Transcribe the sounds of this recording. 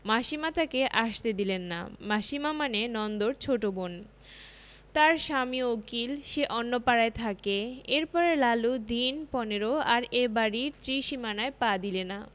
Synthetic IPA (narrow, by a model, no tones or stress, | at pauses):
maʃimat̪akeʔaʃt̪ed̪ilenːa̰maʃimamanenɔnd̪oɾt͡ɕʰoʈobon | t̪aɾʃamiokilʃeʔɔnːopaɾaet̪ʰakeeɾpɔɾelalud̪inpɔneɾoaɾebaɾiɾt̪ɾiʃimanaepad̪ilena